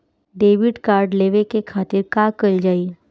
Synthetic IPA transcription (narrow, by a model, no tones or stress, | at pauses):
ɖeːʋɪɖkaːɾɖleːʋekekʰaːt̪ɪɾkaːkəld͡ʒaːiː